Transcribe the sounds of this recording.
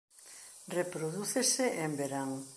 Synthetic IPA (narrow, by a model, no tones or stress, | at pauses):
repɾoðuθeseʔembeɾaŋ